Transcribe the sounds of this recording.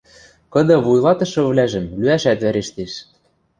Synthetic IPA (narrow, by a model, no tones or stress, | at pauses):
kɤ̆d̪ɤ̆βujlˠɑt̪ɤ̆ʃɤ̆βlæʒɘ̆mlyæʃæt̪βæɾeʃt̪eʃ